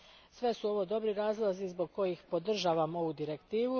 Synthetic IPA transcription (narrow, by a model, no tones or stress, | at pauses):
sʋe̞suo̞ʋo̞d̪o̞bɾiɾaːzlˠazizbo̞ɡ̚ko̞jixpo̞d̪r̩ʒaːʋamo̞ʋud̪iɾe̞kt̪iːʋu